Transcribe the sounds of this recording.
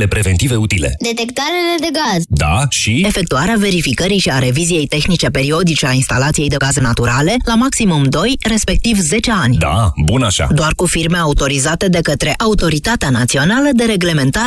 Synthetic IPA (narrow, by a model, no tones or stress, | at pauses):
le̞pɾe̞ve̞nt̪ive̞ut̪ile̞̰d̪e̞t̪ekt̪aɾeled̪e̞ɡazd̪a̰ʃie̞fe̞k̚t̪uaɾeave̞ɾifikəɾiʃiaɾe̞vizije̞jt̪e̞xnit͡ʃe̞pe̞ɾio̞d̪it͡ʃe̞ainst̪alat̪sije̞jd̪e̞ɡazenat̪uɾale̞lamaksimumd̪o̞jre̞spe̞k̚t̪ivze̞t͡ʃe̞anʲd̪a̰bunaʃa̰d̪oarkufirme̞aut̪o̞ɾizat̪e̞d̪e̞kət̪ɾe̞ʔaut̪o̞ɾit̪at̪eanat̪sio̞naləd̪e̞ɾe̞ɡle̞me̞nt̪a